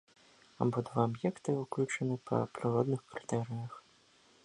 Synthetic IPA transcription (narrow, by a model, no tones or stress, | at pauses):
a̰bɔd̪vaɐbjɛkt̪ɨuklʲut͡ʂɐnɨpʰɐ̰pɾɨɾɔd̪nɨxkɾɨt̪ɛɾɨjɐx